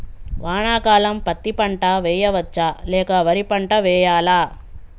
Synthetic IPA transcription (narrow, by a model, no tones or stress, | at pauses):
ʋaːɳaːkaːlɐmpɐt̪ːipɐɳʈɐʋɛːjɐʋɐt͡ʃːalɛːkɐʋɐɾipɐɳʈɐʋɛːjaːlaː